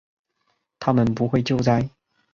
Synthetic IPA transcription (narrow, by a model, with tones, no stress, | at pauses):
t̪ʰa˥mə˨npu˧˥xwe˥˧ɪt͡ɕjo˥˧ʊt͡sa˥˩ɪ